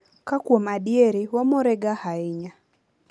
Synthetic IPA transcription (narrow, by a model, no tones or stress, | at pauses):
kakwɔmaɗiɛɾiwamɔɾɛɡahaiɲa